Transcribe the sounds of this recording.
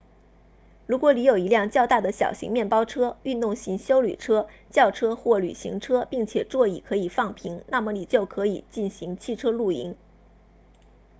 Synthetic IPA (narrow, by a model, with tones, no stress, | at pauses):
ɻu˧˥kwɔ˧˥li˧˥jo˨˩ʊi˧˥ljɑ˥˧ŋt͡ɕjɑ˥˧ʊt̪a˥˩d̪ə˩ɕjɑ̰˨˩ʊɕḭ˧˥ŋmjɛ˥˩npɑ˥ʊʈ͡ʂʰɤ˥y˥˧nt̪ʊ˥˩ŋɕi˧˥ŋɕjo˥ʊly̰˨˩ʈ͡ʂʰɤ˥t͡ɕjɑ˥˩ʊʈ͡ʂʰɤ˥xwɔ˥˩ly̰˨˩ɕḭ˧˥ŋʈ͡ʂʰɤ˥pi˥˩ŋt͡ɕʰjɛ˨˩ʈ͡ʂwɔ˥˧i˨˩kʰɤ˧˥i˨˩fɑ˥˩ŋpʰi˧˥ŋna˥˩mə˩ni˨˩t͡ɕjo˥˩ʊkʰɤ˧˥i˨˩t͡ɕi˥˩nɕi˧˥ŋt͡ɕʰi˥˩ʈ͡ʂʰɤ˥lu˥˩ḭ˧˥ŋ